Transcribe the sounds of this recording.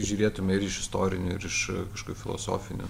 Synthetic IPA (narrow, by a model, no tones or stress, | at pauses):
ʒʲuːɾʲeːt̪ʊmʲɛɪɾɪʃɪst̪oːɾʲɪnʲʊɪɾɪʃkɐʃkʊɪfʲɪlˠo̰ːso̰ːfʲɪnʲʊ̰